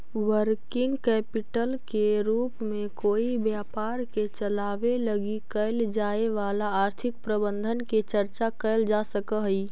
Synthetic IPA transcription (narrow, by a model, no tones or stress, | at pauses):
wəɾkɪ̃ŋɡkɛːpɪʈəlkeɾuːpmẽkoːibjaːpaːɾket͡ʃəlaːʋeləɡikəɪld͡ʒaːeʋaːlaaːɾt̪ʰɪk̚pɾəbə̃nd̪ʱənket͡ʃəɾt͡ʃakəɪld͡ʒasəkəɦi